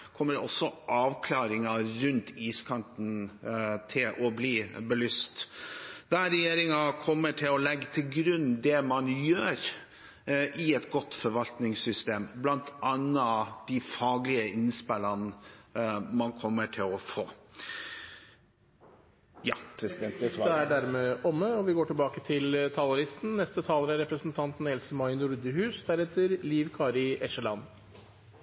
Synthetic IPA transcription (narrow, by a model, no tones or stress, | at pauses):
kʰɔmːəɾɔsːɔʔɑːʋkʰlɑːɾɪŋɑɾʉnt̪ʰiːskʰɑnt̪n̩t̪ʰɪlʔɔbliːbəlyːst̪d̪æɾɛjeːɾɪŋɑkʰɔmːəʈʰɪlɔlɛɡːət̪ʰɪlɡɾʉnd̪ɛmɑnjøːɾ | ʔɪɛt̪ɡɔt̪fɔɾʋɑlt̪nɪŋsʏst̪eːmblɑnt̪ɑnːɑd̪̥ɪfɑːɡlɪəɪnspɛlɑn | mɑnkʰɔmːəʈʰɪlɔfoː | jɑ̰ːpʰɾɛsd̪ɛnd̪ɛæɖæɾmeːʔɔmːəɔʋɪɡoːʈɪlbɑːkət̪ʰɪlt̪ʰɑːlɑɾɪst̪n̩nɛst̪ət̪ʰɑːləɾæɾɛpɾəsnt̪ʰɑnt̪n̩ɛlsəmɑɪnʊɾd̪əɦʉːsd̪æɾɛt̪ʰəɾliːʋkʰɑːɾɪʔɛʂəlɑn